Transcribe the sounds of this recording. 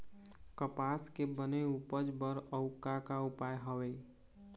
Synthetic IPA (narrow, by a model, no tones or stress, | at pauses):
kəpaskebəneupəd͡ʒbəɾəʊkakaupajɦəʋe